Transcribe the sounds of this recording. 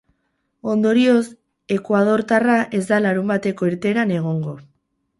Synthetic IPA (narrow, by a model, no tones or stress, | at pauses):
o̞nd̪o̞ɾio̞s | e̞kwað̞o̞ɾt̪araʔe̞zd̪alaɾumbat̪e̞ko̞eɾt̪e̞ːɾane̞ɣ̞o̞ŋɡo̞